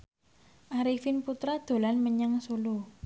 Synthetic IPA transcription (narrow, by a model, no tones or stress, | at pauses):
ʔaɾifɪnput̪ɾad̪̥o̤lanməɲəŋsulu